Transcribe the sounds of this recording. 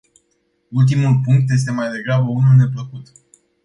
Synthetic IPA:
ult̪imulpuŋk̚t̪je̞s̬t̪e̞majd̪e̞ɡɾabəunulne̞pləkut̪

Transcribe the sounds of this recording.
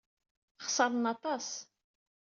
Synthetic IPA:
χsɑɾˤənɑt̪ˤɑs

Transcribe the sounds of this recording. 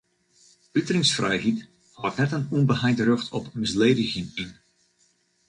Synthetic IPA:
ytərɪŋsfrɛjhit | haːtnɛtənɔnbəhajtərøxtʰɔpmɪsleːdɪɣənin

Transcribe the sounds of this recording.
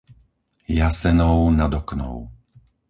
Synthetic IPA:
jasɛnɔʊnad̪ɔknɔ̰ʊ

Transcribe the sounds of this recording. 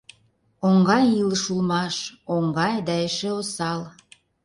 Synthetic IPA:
oŋɡɑjilʃulmɑʃoŋɡɑjd̪ɑeʃeosɑl

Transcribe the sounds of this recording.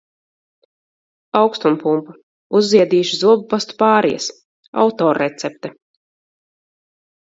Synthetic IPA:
awkst̪unpumpu | uzːiɛd̪iːʃizuɔbupast̪u̥paːɾijɐ̰s | a̰wt̪ɔːɾːɛt̪sɛp̚t̪ɛ

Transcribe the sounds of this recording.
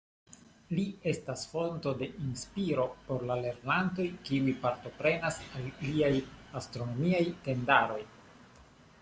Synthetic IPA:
lie̞stasfo̞nto̞de̞ʔinspiɾo̞po̞ɾlale̞ɾnanto̞jkiujpaɾto̞pɾe̞nasalːiajastɾo̞no̞miajte̞ndaɾo̞j

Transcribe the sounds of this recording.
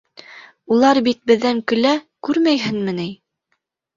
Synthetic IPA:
ulˠɑɾbit̪̚bɘ̆ðːæŋkɵ̆lækʉɾmæjɦɘnmɘ̆nij

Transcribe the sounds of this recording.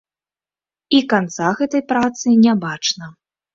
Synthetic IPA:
ikant̪saɣɛt̪ɐjpɾat̪sɨnʲabat͡ʂnɐ

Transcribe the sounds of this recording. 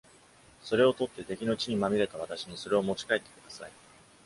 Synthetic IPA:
so̞ɾe̞o̞t̪o̞t̪ːe̞t̪e̞kʲino̞t͡ɕiɲ̟imamʲiɾe̞t̪aβ̞at̪aɕiɲ̟iso̞ɾe̞o̞mo̞t͡ɕi̥kaet̪ːe̞̥kɯ̥d̪asa̰i

